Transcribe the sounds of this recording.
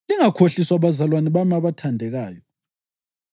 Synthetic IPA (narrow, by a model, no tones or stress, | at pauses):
liŋakʰoɬiswaβazalwaniβamaβatʰandʱɛɣaːjɔ